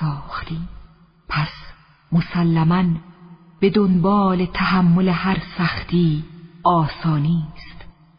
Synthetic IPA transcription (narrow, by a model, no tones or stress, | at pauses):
sɒːxt̪iːm | pʰæs | mosælːæmæn | b̥e̞d̪onbɒːle̞t̪ʰæhæmːo̞lehæɾsæxt̪ʰiːɒːsɒːniːst̪